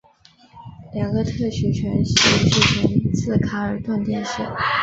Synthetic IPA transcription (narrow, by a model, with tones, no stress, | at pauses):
ljɑ˨˩ŋɡə˧˦t̪ʰɤ˥˩ɕɥɛ˧˥t͡ɕʰɥɛ˧˥nɕ̩˥˩˧ʂɻ̩˥˩t͡ɕʰə˧˥n˥t͡sʰɹ̩˥˩kʰa˧˥ə˞˨˩˥t̪wa˥˧nt̪i˥˧nʂ̩˥˩˦